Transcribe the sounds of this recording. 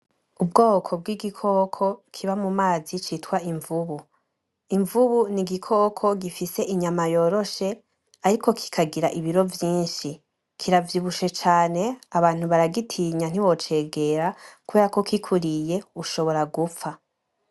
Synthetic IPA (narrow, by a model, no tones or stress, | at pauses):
ub̚ɡo̞ːkʰo̞bɡwiːɡikʰo̞ːkʰo̞kʰiβamumaːzit͡ʃitwaiɱvuβu | iɱvuβuniɡikʰo̞ːkʰo̞ɡifise̞ʔiɲamajo̞ːɾo̞ʃe̞ | aɾikʰo̞kʰi̥kʰaɡiɾaʔiβiɾo̞vjiːnʃi | kʰiɾavjiβuʃet͡ʃaːne̞aβaːn̥huβaɾaɡitʰiɲan̥iβo̞t͡ʃe̞ːɡe̞ɾakuβe̞ːɾako̞kikʰuɾije̞uʃo̞βo̞ɾaɡufa